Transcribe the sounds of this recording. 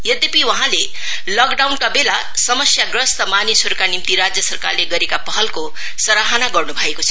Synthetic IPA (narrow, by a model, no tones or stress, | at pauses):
jʌd̪epiwʌɦãle | lʌkɖawnkabela | sʌmʌsjaɡrʌst̪ʌmanjʌsoɾukanimt̪iɾad͡zjʌsʌrka̰rleɡʌɾekapʌɦʌlko | sʌɾaɦanaɡʌrnubʱʌekot͡sʰʌ̥